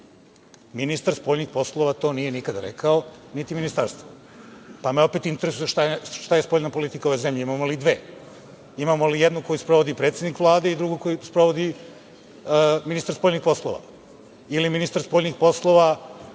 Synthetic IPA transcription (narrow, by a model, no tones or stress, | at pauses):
minist̪aɾspoːʎnixpo̞slˠo̞ʋat̪o̞ːnije̞nikad̪aɾḛkʰaonit̪iminist̪aɾst̪o | pameo̞pet̪int̪eɾesujeʃt̪ajeʃt̪ajespoʎnapo̞lit̪i̥kaoojzemʎeimaːmolid̪ʋe̞ː | imamolijed̪nuko̞juspɾoʋod̪ipɾet̪sed̪nikʋlˠaːd̪e̞id̪ɾuɡuko̞juspɾoʋod̪i | minist̪aɾspoʎnixpo̞slˠo̰ʋa̰ | iliminist̪aɾspoʎnixpo̞slˠoʋa